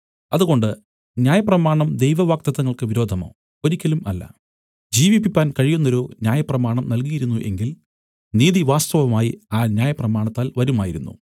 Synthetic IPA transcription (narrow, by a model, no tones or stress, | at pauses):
ɐðuɣo̞ɳɖɨ | njaːjɐprɐmaːɳɐmd̪e̞jʋɐʋaːk̚t̪ɐðɐŋːɐɭkɨʋiɾo̞ːd̪ʱɐmo̰ː | o̞ɾikʲːɐlumɐlːɐ̰ | d͡ʑiːʋipːipʲːaːnkɐɻijunːo̞ɾunjaːjɐprɐmaːɳɐmnɐlk̬ijiɾunːuʔe̞̰ŋɡil | niːðiʋaːst̪ɐʋɐmaːjiaːnjaːjɐprɐmaːɳɐt̪ːaːlʋɐɾumaːjiɾunːṵ